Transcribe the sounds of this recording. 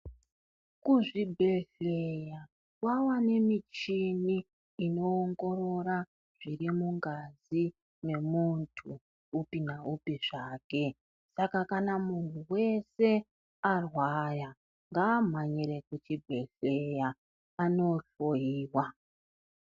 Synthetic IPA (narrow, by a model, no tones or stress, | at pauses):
kuʐibʱe̞ɬeja | kwawane̞mit͡ʃiniː | no̞ːŋɡo̞ɾo̞ra | ʐ̥irimuŋɡazi | ne̞muntʰuː | pinaupiʐaːke̞ | sakakanamuntuwe̞se̞ | arwaja | ŋɡaːm̤aɲiɾe̞kut͡ʃibʱe̞ɬeja | ano̞ɬojiːwa